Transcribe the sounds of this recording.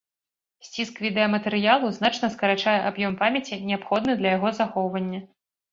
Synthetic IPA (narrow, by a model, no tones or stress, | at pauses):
sʲt͡sʲiskvʲid̪ɛɐmɐt̪ɛɾɨjalˠuzn̪at͡ʂnɐskɐɾat͡ʂajɛʔabjɔmpamʲɐt͡sʲinʲɛapxɔd̪nɨd̪lʲɐjaɣɔzaxɔwvɐnʲːɐ